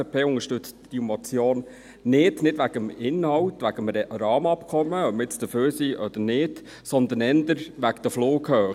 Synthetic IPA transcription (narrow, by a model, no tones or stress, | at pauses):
pʰeːʊŋəʃtʏt͡std̥imɔt͡sjoːn | nɪd̥nɪdʋæɡ̥əmɪnhɑwtʋæɡəmɾɑːmɑpkʰɔmːəœpməɾɪt͡sd̥̪əføːɾsiːʔɔd̥̪ənɪd | sɔnd̪ən̩ɛndəɾʋækd̥̪əfloːkhøː